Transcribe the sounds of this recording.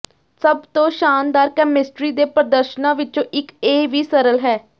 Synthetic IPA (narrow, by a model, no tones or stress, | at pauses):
səbt̪õːʃaːnd̪aːɾkɛːmɪsʈɾiːd̪eːpɾəd̪əɾʃnãːʋɪt͡ʃõːʔɪkeːʋiːsəɾəlɦɛː